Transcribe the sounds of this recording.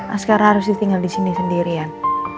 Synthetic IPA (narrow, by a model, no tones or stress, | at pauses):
ʔa̰skaɾahaɾʊs̬dit̪iŋɡaldisinisəndiɾian